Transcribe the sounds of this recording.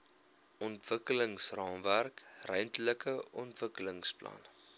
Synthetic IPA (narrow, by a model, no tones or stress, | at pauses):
ʔɔntv̥əkələŋsrɑːmværkrəɥntləkəɔntvəkələŋsplɐ̰n